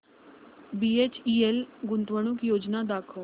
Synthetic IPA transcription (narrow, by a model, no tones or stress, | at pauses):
bieːt͡ʃielɡʊnt̪ʋəɽ̃ukjoːd͡ʒnad̪aːkʰə